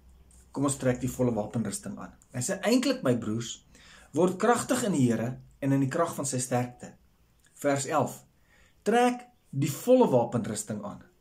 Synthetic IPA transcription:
kɔmɔnstræːk̚difɔləvɑːpənrəstəŋɑ̰ːn | ɛnsəʔɛjntləkməjbruːrs | vɔrtkrɐχtəχəndiɦiəɾəɛnəndikrɐχfɐnsəjstærk̚tə | færsælˠf | træːk | difɔləvɑːpənrəstəŋɑ̰ːn

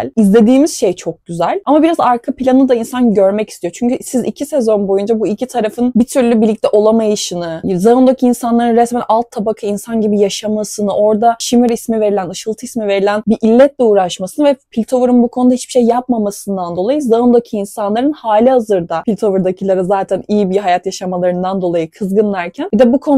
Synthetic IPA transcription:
izlʲe̞d̪iːmiz̥ʃe̞jt͡ʃʰo̞k̚ɟyzælʲamabiɾazaɾkʰapʰilʲanɯd̪ainsanɟø̞ɾmɛci̥st̪ʰijo̞t͡ʃʰyɲcysizicʰisɛzo̞nbo̞jund͡ʒabuilʲcʰit̪ʰaɾafɯnbit̪ʰyɾlʲybilʲːic̚t̪ɛʔo̞lˠamajɯʃɯnɯzaund̪ocʰiinsanlˠaɾɯnɾɛsmɛnʔalˠt̪ʰːabakʰainsanɟibijaʃamasɯnɯʔo̞ɾd̪aʃimiɾismive̞ɾilʲænɯʃɯlˠt̪ʰɯismive̞ɾilʲænbiʔilʲːɛt̪lʲɛuːɾaʃmasɯnɯvɛpʰilʲt̪ʰo̞vuɾunbukʰo̞nud̪ahit͡ʃbi̥ʃejːap̚mamasɯnd̪and̪o̞lˠajɯzaund̪okʰɯinsanlˠaɾɯnhaːlʲihazɯɾd̪apʰilʲt̪ʰo̞vuɾd̪acʰilˠaɾɯzaːt̪ʰænijibiɦajat̪jaʃamalˠaɾɯnd̪and̪o̞lˠajɯkʰɯzɡɯnlˠaɾcʰænbid̪ɛbukʰo̞n

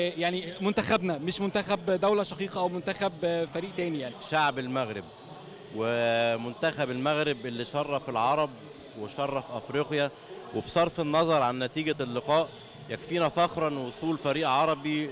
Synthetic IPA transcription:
jaʕnimʊnt̪æxæbnæmeʃmʊnt̪æxæbd̪æwlæʃɑqiːqɑʔæwmʊnt̪æxæbfæɾiːʔt̪æːnijaʕniʃaʕbelmæɣɾeb̚ | wemʊnt̪æxæbelmæɣɾɪbʔelːiːʃɑrˤːɑfelʕɑɾˤɑb̚ | weʃɑrˤːɑfʔæfɾiqjæ | websˤɑɾˤfenːɑzˤɑɾˤʕanːæt̪iːɡælːɪqɑːʔ | jækfiːnæfæxɾˤɑnwosˤuːlfæɾiːʔʕɑɾˤɑbi

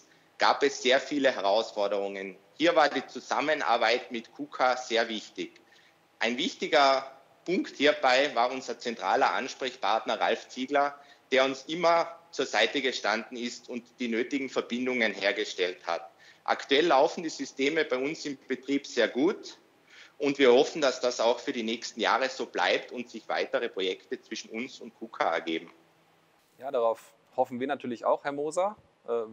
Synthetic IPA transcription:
ɡ̥a̰ːpɛsz̥eːɐfiːləhɛʁaʊsfɔɐɾəʁʊŋən | hiːɐvaːɐdiːt͡suza̰mənʔa̰ːɐbaɪtmɪtkʰuːkʰaz̥eːɐvɪçtɪç | ʔaɪnvɪçtɪɡɐ | pʰʊŋkthiːɐbaɪvaːɐʊnzɐt͡sɛntʁ̥a̰ːlɐʔa̰nʃpʁ̥ɛçpʰaɐtnɐʁa̰lft͡siːɡlɐ | d̥eːɐʊnsʔɪmɐt͡suːɐzaɪtəɡəʃtandn̩ɪstʊntd̥iːnøːtɪɡŋ̩fɛɐbɪndʊŋənheːɐɡəʃtɛltha̰t | ʔa̰ktuɛlːaʊfn̩diːzʏsteːməbaɪʊnsɪmb̥ətʁ̥iːpz̥eːɐɡuːt | ʊntv̥iːɐhɔfn̩d̥asd̥asaʊxfyːɐdiːnɛːçstn̩ja̰ːʁəz̥oːb̥la̰ɪptʊntz̥ɪçv̥a̰ɪtəʁəpʁ̥ojɛktət͡sv̥ɪʃn̩ʊnsʊnt̚kʰuːkʰa̰ɛ̰ɐɡeːbm̩ | jaːdaʁaʊf | hɔfn̩viːɐnatʰyːɐlɪça̰ʊxhɛɐmoːza | ʔɛː

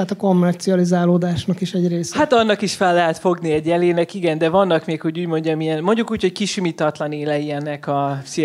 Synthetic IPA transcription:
at̪ɒko̞mːɛrt̪siɒlizaːloːd̪aːʃnɒkiʃɛɟreːshat̪ɒnːɒkiʃfɛlːɛɦɛt̪fo̞ɡniɛɟɛleːnɛkiɡɛnd̪ɛvɒnːɒkmeːkho̞ɟuːɟmo̞ɲɟɒmijɛnmo̞ɲɟukuːchockiʃymit̪ɒt̪lɒneːlɛjiɛnːɛkɒsi

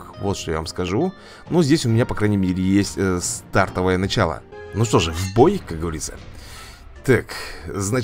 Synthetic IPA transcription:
vo̞t̪ʂt̪ojavamskɐʐu | nuzʲdʲesʲʊmʲɪnʲapɐkɾajnʲɪmʲeɾʲɪjesʲtʲst̪art̪əvəjənɐt͡ɕalˠə̰nuʂt̪o̞ʐɨvbojkak̚ɡəvɐɾʲit̪sə̰ | t̪akzna

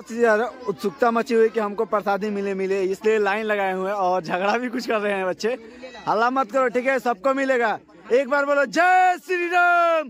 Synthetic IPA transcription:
t̪əɾʊt̪sʊk̚t̪amət͡ʃiɦuekiɦɐmkopəɾsaːd̪ʱimɪlemɪleɪslielaːɪnlɐɡaːeɦueɔːɾd͡ʒʱɐɡɽabʱikʊt͡ʃʰkɐɾːəɦeɦɛ̃bɐtːʃʰe | ɦəlːamət̪̚kəɾoʈʰiːkɦɛsɐb̚komɪleɡa | eːk̚baːɾboːlod͡ʒɛsiɾinam

